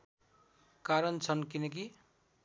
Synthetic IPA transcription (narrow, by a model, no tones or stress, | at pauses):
kaɾʌnt͡sʰʌnkinʌki